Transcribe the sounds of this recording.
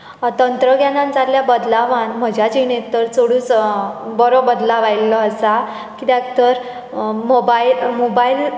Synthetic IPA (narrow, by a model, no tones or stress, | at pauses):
t̪ənt̪ɾəɡjanãnd͡zalːjabəd̪laʋanm̤əd͡ʑʱjad͡ʑinet̪ːəɾt͡soɽũːt͡sbɔɾobəd̪laʋajləəsa | kid̪akt̪əɾ | mobailmobail